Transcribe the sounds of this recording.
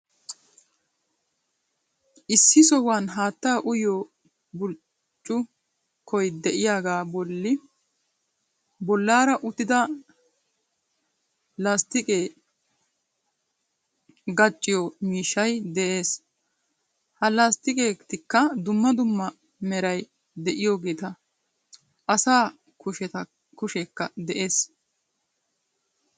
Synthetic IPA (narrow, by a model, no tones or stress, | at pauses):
ʔɪsːɪsɔhwaːnɦaːt̪ːaːʔʊjɔ | bʊl | t͡ʃʼːʊ | kʰɔjd̪ɛʔɪjaːɡaːbɔlːɪ | bɔlːaːɾɐʔʊt̪ɪd̪ɐ | laːst̪ɪkʼeː | ɡɐt͡ʃʼːɪjɔmiːʃːɐjd̪ɛʔe̞ːs | hɐlaːst̪ɪkʼeːt̪ɪkːɐd̪ʊmːɐd̪ʊmːɐ | mɛɾɐj | d̪ɛʔɪjoːɡe̞ːt̪ɐ | ʔɐsaː | kʊʃɛt̪ɐ | kʊʃɛkːɐd̪ɛʔe̞ːs